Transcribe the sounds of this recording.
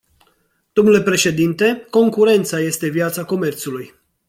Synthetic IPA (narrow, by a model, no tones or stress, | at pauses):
d̪̥o̞mnule̞pɾe̞ʃe̞d̪int̪e̞ko̞ŋkuɾe̞nt̪saje̞st̪e̞vjat̪sako̞me̞rt̪suluj